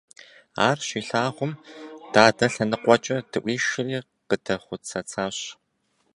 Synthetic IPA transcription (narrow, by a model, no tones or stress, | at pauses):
a̰ːrɕiːɬaːʁʷʊmd̥aːdɐɬɐnɨqʷɔt͡ʃʼɐdʰɨʔʷiːʃɪriː | qətʰɐχʷʊt͡sʰɐt͡sʰaːɕ